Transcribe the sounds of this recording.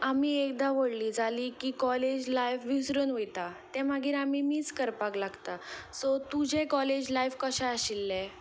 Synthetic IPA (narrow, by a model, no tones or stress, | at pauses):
amiːek̚d̪aʋəɽliːd͡zʱaliːkiːkɔled͡ʑlajfʋisɾənʋəjt̪at̪ɛ̃maɡiːɾamiːmiːt͡skəɾpaklaɡt̪asɔt̪ud͡ʑʱẽkɔled͡ʑlajfkəɕaəɕilːɛ